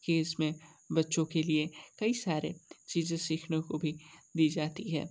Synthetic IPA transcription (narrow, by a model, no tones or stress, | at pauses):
keːsmẽbɐtːʃõkeliekɐisaːɾḛt͡ʃiːzẽsiːkʰnekobʱid̪iːd͡ʒaːt̪iɦɛ̰ː